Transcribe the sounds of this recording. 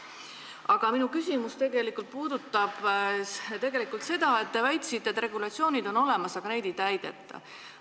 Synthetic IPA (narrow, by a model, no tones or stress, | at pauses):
ɑɡ̥ɑminukysʲimust̪e̞ɡ̥e̞likːˑult̪̚puːd̪̥ut̪ːˑɑb̥ | t̪e̞ɡe̞likˑult̪se̞d̪̥ɑe̞t̪ːe̞væjt̪ˑsit̪ːˑet̪ːˑre̞ɡ̥ulɑt̪sio̞ːnʲid̪o̞no̞le̞mɑsɑɡ̥ɑne̞jd̪ejt̪æjd̪̥e̞̰t̪ˑːɑ̰